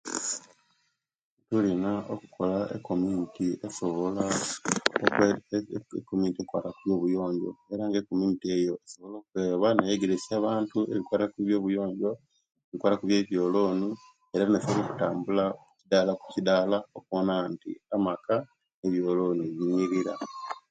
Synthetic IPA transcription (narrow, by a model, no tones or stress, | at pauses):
tulinaokukʰo̞laekːomintiesoβola | o | kːomintiekwaːtakuβjo̞ːβujo̞ːɲɟo̞̰e̞ɾaŋɡeko̞minitie̞jo̞eso̞βo̞lo̞ːkukweːβanajeɡeɾesaβaːntue̞̰βikwaːtakuβjo̞ːβujo̞ːɲɟo̞ | eβikwaːtakuβje̞ːβjo̞ːlo̞ːni | eɾanesoβoloku̥taːmbulaucidalaku̥cidaːlaokonantḭamaka | neβjo̞ːlo̞ːnieβiɲiɾiɾa